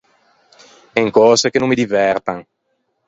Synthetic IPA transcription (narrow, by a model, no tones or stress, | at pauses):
ɛŋkɔːzekenũmːid̪ivɛrt̪aŋ